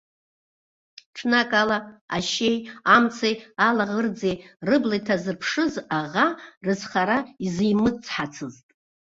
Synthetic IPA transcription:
ʈ͡ʂʰnakʼalaa̰ʃejamt͡sʰajalaʁərd͡zejrɨblajtʰazɨrpʰʂɨzaʁarɨzχaɾaizijmɨt͡sʰʼħat͡sʰɨztʼ

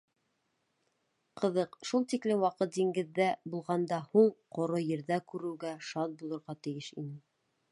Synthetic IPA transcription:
qʰɤ̆ðɤqʃulˠt̪iklɘmwɑqɤt̪̚d̪iŋɡɘ̆ðːæbulˠʁɑnd̪ɑhuɴqŏɾojɘ̆ɾðækʉɾɘ̆wɡæʃɑt̪̚bulˠŏɾʁɑt̪ɘ̆jɘʃḭnɘ

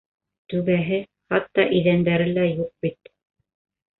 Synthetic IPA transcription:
t̪ʉβæɦɘ | χɑt̪ːɑʔĭjðænd̪æɾɘlæjuq̚bit̪

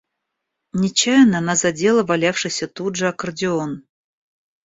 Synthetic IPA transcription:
nʲɪt͡ɕajnəɐnazɐdʲe̞lˠəvalʲafʂɨjsʲət̪ud̪ʐəɐkərdʲɪon

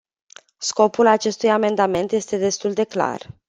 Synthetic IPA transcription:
sko̞pulat͡ʃe̞st̪ujame̞nd̪ame̞nt̪je̞st̪e̞d̪e̞st̪uld̪e̞kla̰r

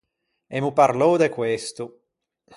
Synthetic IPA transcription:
emupaɾlɔd̪ekwest̪u

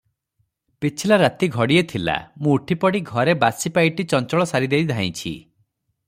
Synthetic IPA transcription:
pit͡ʃʰilaɾat̪iɡʱɔɽiet̪ʰila̰mũːʈʰipɔɽiɡʱɔɾebasipajʈit͡ʃɔnt͡ʃɔɭɔsaɾid̪eɾid̪ʱaĩt͡ʃʰḭ

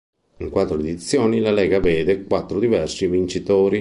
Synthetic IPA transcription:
iŋkwat̪ːɾʊed̪it̪sːjoːnilalɛːɡavɛːd̪ekwat̪ːɾʊd̪ivɛrsivint͡ʃit̪oːɾi

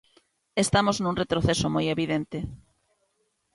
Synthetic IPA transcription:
est̪amoznuŋret̪ɾoθesomojeβiðent̪e

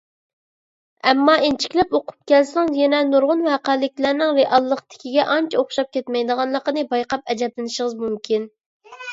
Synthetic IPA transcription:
ɛmːɑent͡ʃʰi̥kʲlɛpoqʰʊ̥p̚kʲɛlsʊŋzjɛnɛnuɾʁʊnwɛqælːɪkʲlæɾnɪŋɾeʔɑlˠːəqt̪ʰɪ̥kʲiɡʲɛʔɑnt͡ʃʰɛoχʃɑp̚kʲɛt̪mɛjd̪əʁɑnlˠəqənɨbɑjqɑp̚ɛd͡ʒɛblɪnɪʃəʁəzmumkʲʰin

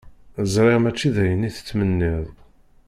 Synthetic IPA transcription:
əzˤɾˤeʁmæt͡ʃːiðæjənːiθə̥t͡sːmənːiðˤ

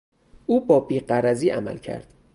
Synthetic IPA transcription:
ʔuːbɒːbiːɢæɾæziːʔæmæ̰lcʰæ̰ɾd̪̥

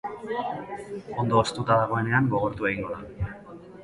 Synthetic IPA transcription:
o̞nd̪o̞ːst̪ut̪aðaɣ̞o̞e̞ne̞aŋɡo̞ɣ̞o̞ɾt̪ue̞ɣiŋɡo̞ða

